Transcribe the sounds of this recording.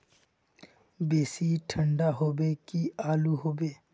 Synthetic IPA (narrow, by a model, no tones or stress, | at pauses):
beːsiʈʰə̃ɳɖaɦoːbekiaːluɦoːbeː